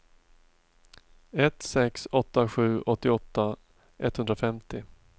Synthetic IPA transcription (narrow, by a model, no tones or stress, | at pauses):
ɛt̪sɛksɔt̪ːaɧʉ̟ːʔɔt̪ːɪɔt̪ːa | ʔɛt̪ːhɵnd̪ɾafɛmt̪ɪ